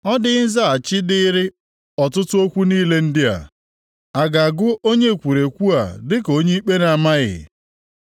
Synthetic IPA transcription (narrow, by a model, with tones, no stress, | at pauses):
ɔ˦dɪ˦n̩˦za˦˨a˨t͡ʃɪ˦dɪ˦ɾɪ˦ | ɔ˨tʊ˦tʊ˦o˦kʷu˦niː˦le˦n̩˦dɪ˦a̰˨ | a˨ɡa˨a˨ɡʊ˦ʔo˦ɲe˦˨kʷu˨ɾe˨kʷu˦a˨dɪ˦ko˦ɲe˦i˦k͡pe˦na˨ma˦ɣɪ̰˨